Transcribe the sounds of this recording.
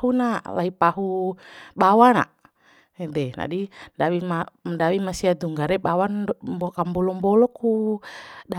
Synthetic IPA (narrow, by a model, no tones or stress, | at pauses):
unala̰ipaɦubawana̰ | ɛdɛna̰didawimadawimasiad̪uŋɡaɾɛbawanbɔkambɔlɔmbɔlɔku | da